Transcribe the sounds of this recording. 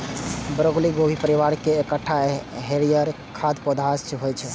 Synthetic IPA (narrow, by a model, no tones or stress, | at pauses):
bɾoɡliɡobʱipəɾiʋaɾkeːkəʈʰːaɦeɾijəɾ | kʰad̪pɔd̪ʱast͡ʃɦojt͡ʃʰɛ